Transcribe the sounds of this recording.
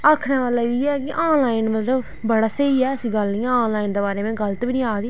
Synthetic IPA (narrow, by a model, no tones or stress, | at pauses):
aːkʰneːʋaːlaːiːɛːkɪʔaːnlaːɪnmət̪ləb | bəɽaːsəiːɛːəsĩːɡəlnĩːɛ̃ːnlaːind̪eːbaːɾeːmɛ̃ːɡəlt̪ːbinĩːaːd̪iː